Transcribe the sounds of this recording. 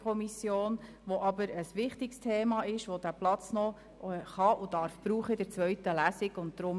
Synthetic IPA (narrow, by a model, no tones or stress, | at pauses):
kʰɔmisjoːn | ʋɔʔɑbəɾəsʋɪχt̪ɪkstʰeːmɑːɪʃʋɔd̥æplɑt͡snɔ | χɑʔʊdɑɾfb̥ɾuːχədɛɾt͡sʋœɥtəlæsɪɡʊnt̚d̪̥ɾʊm